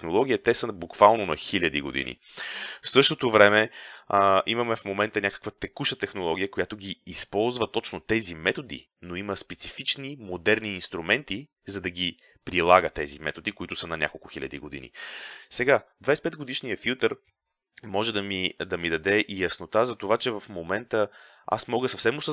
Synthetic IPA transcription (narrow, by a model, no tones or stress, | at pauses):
xnolˠɔɡʲiət̪ɛsəbukvalˠnonɐxilʲɐd̪iɡo̰d̪ḭnḭ | fsɤʃt̪ot̪ovɾɛmɛ | imɐmɛfmomɛnt̪ənʲakə̥kvət̪ɛkuʃət̪ɛxnolˠɔɡ̟ʲiəkojat̪oɡʲiːspɔlˠzvət̪ɔt͡ʃnot̪ɛzimɛt̪od̪ḭ | noiməspɛt̪sifit͡ʃnimod̪ɛɾniːnst̪ɾumɛnt̪i | zɐd̪ɐɡʲi | pɾilˠaɡət̪ɛzḭmɛ̰t̪od̪ikoit̪ʊsənɐnʲa̰kolˠkʊxilʲɐ̰d̪ḭɡod̪ḭnḭsɛɡad̪vajspɛd̪ɡod̪iʃnijəfilˠt̪əɾ | mɔʒɛd̪ɐmid̪ɐmid̪ɐd̪ɛʔijɐsnot̪azɐt̪ovat͡ʃɛvɐfmomɛnt̪ə | a̰smɔɡəsɐfsɛmosə